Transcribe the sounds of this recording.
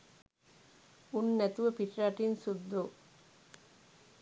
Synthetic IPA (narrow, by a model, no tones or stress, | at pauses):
unːɛt̪uʋɐpiʈɾaːʈːinsud̪ːo